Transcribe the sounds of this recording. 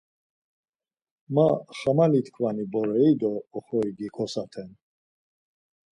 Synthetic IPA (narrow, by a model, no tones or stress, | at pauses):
maχamalit̪ʰkʰvanibɔɾɛid̪ɔːχɔiɡikʰɔsat̪ʰɛn